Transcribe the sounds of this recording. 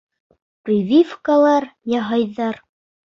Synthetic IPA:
prʲivʲifkalˠɑɾjɑɦɑjðɑɾ

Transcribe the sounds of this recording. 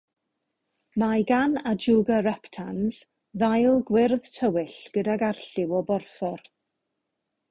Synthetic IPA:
majɡanad͡ʒuɡaɹɛptʰanz̥ | ðajlˠɡwɪrðtʰəwɪɬɡ̥ədaɡarɬɪwɔbɔrfɔr

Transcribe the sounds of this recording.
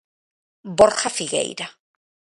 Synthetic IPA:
boɾxafiɣḛjɾa

